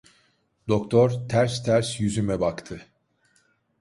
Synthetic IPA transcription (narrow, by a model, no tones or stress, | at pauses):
d̪o̞kt̪ʰoɾt̪ʰæɾst̪ʰæɾsjyzymɛbakt̪ʰɯ